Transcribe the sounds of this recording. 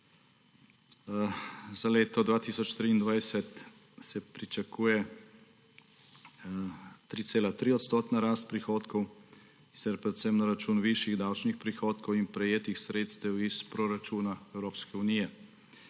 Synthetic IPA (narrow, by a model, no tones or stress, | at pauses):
zaleːt̪ɔd̪ʋaːt̪isɔt͡ʃt̪ɾiːnd̪ʋajsɛt̪ | sɛpɾit͡ʃakʰuːjɛ | t̪ɾiːt̪seːlat̪ɾiɔt̪st̪ɔːt̪naɾaːst̪̚pɾixoːt̪kɔw | i̥ɛɾpɾɛt̪sɛmnaɾat͡ʃuːnʋiʃiɣd̪awt͡ʃnixpɾixoːt̪kɔwinpɾɛjeːt̪ixsɾeːt̪st̪ɛwispɾoɾat͡ʃuːnaɛwɾoːpskɛuniːjɛ